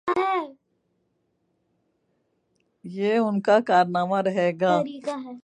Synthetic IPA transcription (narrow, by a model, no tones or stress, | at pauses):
ɦɛ | jeːʊnkakaːɾnaːmaɾɐɦeːɡaːɾiɡɦɛ